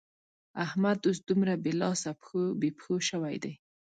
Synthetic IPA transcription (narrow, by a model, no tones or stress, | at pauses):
ahmad̪os̬d̪umɾabelɑsapobepxoʃəwajd̪aj